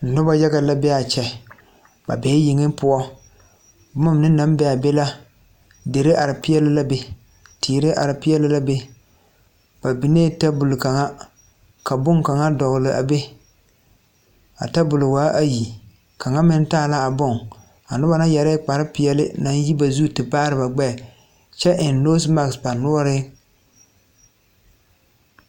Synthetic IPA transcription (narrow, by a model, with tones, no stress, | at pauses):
n̩˨nʊ˦ba˦ja˦ɡa˨la˦bɛ˦a˨t͡ʃɛ˨ | ba̰˨bɛ˨˦jɪ˨ŋɪ˦pʊ˦ɔ˦ | bʊ˦ma˦mnɨ˦na˦m˦bɛ˦a˨bɛ˦la˦ | de˨ɾɪ˦ʔa˨ɾɪ˨pɪ˦ɛ˦lɪ˦la˦be˦ | tʰiː˨ɾɪ˦ʔa̰˨ɾɪ˨pɪ˦ɛ˦lɪ˦la˦be˦ | ba˨bi˨neː˦ta˦bʊ˨lɪ˨ka˨ŋa˦ | ka˨bʊ˦ŋka˨ŋa˦dɔ˨ɣlɪ˨ʔa̰˨be˦ | a̰˨ta˦bʊ˨lʊ˨waː˨˦ʔa˦ji˨ | kʰa˨ŋa˦mɪ˦n˦taː˦˨la˦a˨bʊ˦ŋ | a˨nʊ˦ba˦na˦jɛ˨ɾɛ˦k͡pa˨ɾɪ˦pɪ˨ɛ˦lɪ̰˦na˦n˦ji˦ba˨zuː˦tɪ˨baː˦ɾɨ˨ba˨ɡ͡bɛ˦˨ | t͡ʃɛ˦ʔɪ˨nno˦sma˨ksba˨nʊ˦ɔ˦ɾɪ˦